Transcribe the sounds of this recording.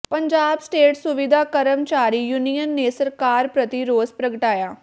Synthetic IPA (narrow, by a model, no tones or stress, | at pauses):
pəɲd͡ʒaːbsʈeːʈsʊʋɪd̪ʱaːkəɾəmt͡ʃaːɾiːjunijənːeːsəɾkaːɾpɾət̪iɾoːzpɾəɡəʈaːjaː